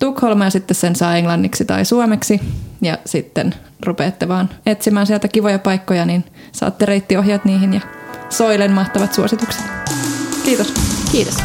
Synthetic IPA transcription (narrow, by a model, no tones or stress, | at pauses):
t̪ukholmɑjɑsit̪ːessensɑːeŋlɑnːiksit̪ɑ̰isuomeksijɑ̰sit̪ːḛn | rupeːt̪ːeʋɑːnet̪simæːnsiælt̪ækiʋojɑpɑjkːojɑnin | sɑ̰ːt̪ːeɾeit̪ːioɦjɑt̪niːɦinjɑsoilenmɑht̪ɑʋɑt̪suosit̪ukse̥t̪kiːt̪oskiːt̪os